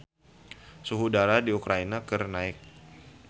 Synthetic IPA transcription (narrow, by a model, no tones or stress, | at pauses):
suɦudaɾadiukɾainakɨrnaɪk̚